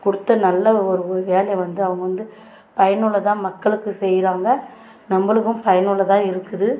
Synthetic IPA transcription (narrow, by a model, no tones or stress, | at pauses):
kʊɽɯt̪ːɐnɐlːɐɔɾɯɔɾɯʋeːlɐjɐʋɐnd̪ɯɐʋɐŋɡɐʋɐnd̪ɯ | pɐjɐnɯɭɐt̪ãːmɐkːɐɭɯkːɯsɛjːɾaːŋɡɐ | nɐmbɐɭɯkːɯmpɐjɐnɯɭɐt̪ãːɪɾɯkːɯðɯ